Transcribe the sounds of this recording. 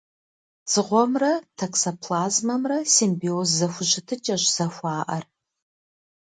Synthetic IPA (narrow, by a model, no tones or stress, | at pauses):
t͡sɨʁʷɔmrɐtʰɐksɐpʰlaːzmɐmrɐsimbiozːɐxʷʊʒɪtʰɨt͡ʃʼɐʒz̥ɐxʷɑːʔɐr